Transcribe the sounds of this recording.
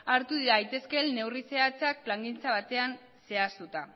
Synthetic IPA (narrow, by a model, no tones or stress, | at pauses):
aɾt̪uðiɾajt̪e̞ske̞nːe̞wrise̞at͡sak̚plaŋɡint͡saβ̞at̪e̞an | se̞ast̪ut̪a